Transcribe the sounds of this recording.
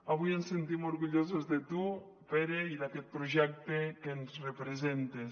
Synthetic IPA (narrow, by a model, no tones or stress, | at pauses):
aβ̞ujensent̪imoɾɣuʎozozðet̪u | peɾeiðaket̪̚pɾoʒɛk̚t̪ekenzrepɾezent̪es